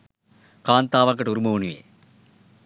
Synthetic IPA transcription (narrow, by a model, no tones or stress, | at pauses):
kaːnt̪aːʋɐŋkːɐʈuɾumoːnujḛː